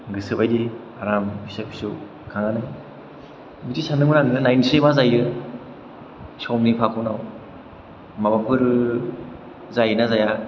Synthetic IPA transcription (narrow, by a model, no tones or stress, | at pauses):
ɡɯsɯpajdi | aɾambisabʰi̥su | kʰaŋanɯ | mitisanɯŋmɯnaŋɯnajnsebazajɯ | sɔmnipʰakʰɔwnaw | mabapʰɯɾ | zajnazaja